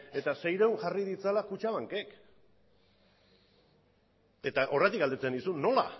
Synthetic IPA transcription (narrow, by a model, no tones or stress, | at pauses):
e̞t̪ase̞jɾewnʝarið̞it͡salakut͡ʃaβaŋke̞k | e̞t̪aʔo̞ret̪̬ikɡald̪e̞t͡senisunːo̞la̰